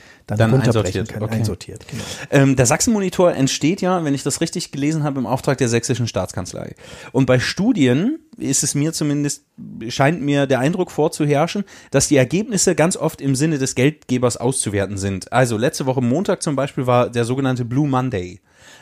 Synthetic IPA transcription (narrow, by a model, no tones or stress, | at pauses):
d̥d̥anʔaɪnzɔɐtiːɐtʔozɔtʰiːɐtnʔɛːmdeːɐzaksn̩monitʰoːɐʔɛntʃteːtjaːvɛnɪçd̥asʁɪçtɪçɡ̥əleːzn̩ɦaːbəɪmʔa̰ʊftʁ̥aːk̚d̥eːɐzɛksɪʃn̩ʃta̰ːt͡skʰant͡sla̰ɪʔʊnt̚b̥aɪʃtuːdiənʔɪstɛsmiːɐt͡sumɪndəst̚ | ʃaɪntmiːɐdeːɐʔaɪndʁʊkfoːɐt͡suɦɛɐʃn̩d̥asd̥iːɛɐɡeːpnɪsəɡant͡sʔɔftɪmzɪnədɛsɡ̥ɛlt̚ɡ̥eːbɐsʔa̰ʊst͡suveːɐtn̩zɪntʔalzolɛt͡stəvɔχəmoːntaːk̚t͡sʊmbaɪʃpiːlvaːɐdeːɐzoːɡənantəbluːmandeɪ